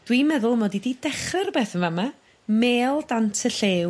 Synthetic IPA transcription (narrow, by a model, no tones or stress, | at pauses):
d̥wimɛðʊlˠmoːdididɛχərbeːθənvama | meːlˠdantʰəɬeːw